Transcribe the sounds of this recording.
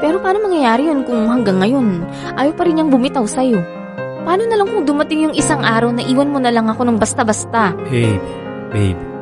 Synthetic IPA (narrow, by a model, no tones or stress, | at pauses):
pɛːɾo̞paːnomɐŋjɐjaːɾɪjo̞nkʊŋhɐŋɡaŋːɐjo̞n | ʔaːjɐwpɐɾɪnːɐŋbʊmɪt̪awsɐjo̞ | pɐaːno̞nɐlɐŋkʊŋd̪ʊmɐt̪ɪŋjʊŋɪsaŋʔaːɾɐwnɐʔiːwɐnmonɐlɐŋɐko̞nʊŋbɐst̪ɐbɐst̪aʔɛj | bɛ̰jb